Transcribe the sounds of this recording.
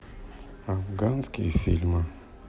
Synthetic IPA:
aɡanzkefilma

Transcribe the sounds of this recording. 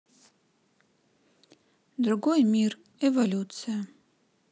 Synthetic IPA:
d̪ɾuɡojmir | evolʲutt͡sʰɨja

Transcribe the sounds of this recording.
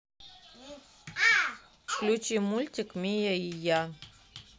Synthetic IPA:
ʃlʲut͡ʃʼimulʲtʲikmʲijaija

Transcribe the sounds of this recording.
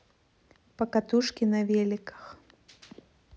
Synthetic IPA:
pɐkat̪uʂkʲinɐvʲɛlʲikɐ̥x

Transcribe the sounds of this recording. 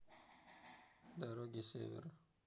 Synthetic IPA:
d̪aɾoɡisḛwḭɾ

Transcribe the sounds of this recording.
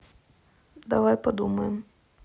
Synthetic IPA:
d̪avajpad̪umɐjɛm

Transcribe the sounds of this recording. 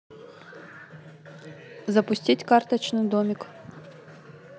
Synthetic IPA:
zɐpʊsʲtʲitʲkart̪ɐt͡ɕnɨd̪omʲɪk

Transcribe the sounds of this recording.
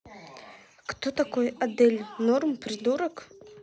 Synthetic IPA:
kt̪ɔt̪akɔjɐd̪ɛlʲnɔrmpɾɪd̪uɾək

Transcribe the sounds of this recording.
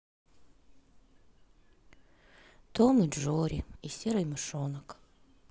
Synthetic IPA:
t̪omɨʐoɾʲɪisʲeɾɨjmɨʂonək

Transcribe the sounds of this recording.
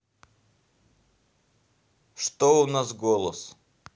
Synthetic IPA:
ʂt̪oʊnasɡolˠəs

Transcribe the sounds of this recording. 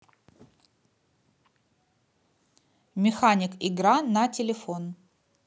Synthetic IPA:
mʲɪxanʲɪkɪɡɾanɐtʲɪlʲɪfon

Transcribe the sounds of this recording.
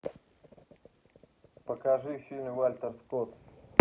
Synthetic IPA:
pəkaʐɨfʲilʲnʲvalʲt̪ərskot̪

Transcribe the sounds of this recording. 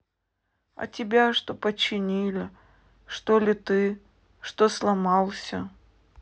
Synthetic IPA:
ɐ̰tʲɪbʲaʂt̪opət͡ɕːɪnʲilʲɪ | ʂt̪olʲɪt̪ɨ | ʂt̪oslˠɐmɑlˠsʲə

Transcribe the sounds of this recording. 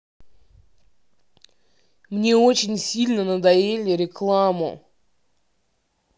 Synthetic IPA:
mnʲe̞o̞t͡ɕɪnʲsʲilʲnənəd̪ɐjelʲɪɾʲɪklˠamʊ̰

